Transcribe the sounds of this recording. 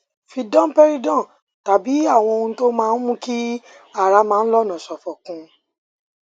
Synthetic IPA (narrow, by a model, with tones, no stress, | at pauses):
fi˧dɔ̃˦m̩˦pɛ˦ɾi˦dɔ̃˦˨ | ta˨bi˨˦a˦˨w̃ɔ̃˧o˧nũ˧to˦mãː˦˧n̩˦mũ˦ki˦ | a˦˨ɾa˧mãː˦˧n̩˦lɔ˦˨nã˨sɔ˨fɔ˨kũ˧˦